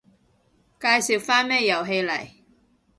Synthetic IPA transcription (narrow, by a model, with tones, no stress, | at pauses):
kaː˧jsi˨wfaː˥nmɛː˥jɐ˨˩wɦe˧jlɐ̰˨˩j